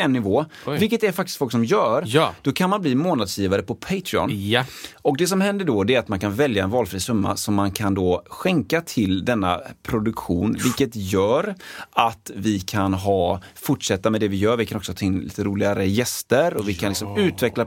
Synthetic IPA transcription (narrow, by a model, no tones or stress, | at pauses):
ɛnːɪvoːvɪlkːət̪æɾfak̚t̪ɪ̥st̪fɔlksɔmjœːɾd̪̥ɔkʰanmanbliːmoːnad̪sjiːvaɾəpʰɔpʰeɪt̪ʰɾɪɔ̰n | ɔk̚d̪ɛs̬ɔmhɛnd̪əɖɔd̪ɛɾat̪mankʰanvɛljaɛnvɑːlfɾiːsɵmːa̰sɔmːankʰand̪ɔːɧɛŋkat̪ʰɪld̪ɛnːa̰pʰɾʊd̪ɵkɧṵːnvɪlkət̪jœːɾat̪vɪkʰanɦɑːfʊʈʂɛt̪ːamɛd̪ɛvɪjœːɾvɪkʰanɔksɔhɑːt̪ʰaɪnlḭːt̪əɾuːlɪɡaɾəjɛst̪əɾɔvɪkʰanlɪksɔmʉ̟ːt̪vɛkla